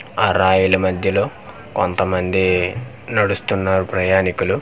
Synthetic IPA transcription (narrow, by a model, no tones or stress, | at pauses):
aːɾaːjulɐmɐd̪ʱjɐlo̞ː | kont̪ɐmɐnd̪i | nɐɽust̪unːaːɾupɾɐjaːnikulu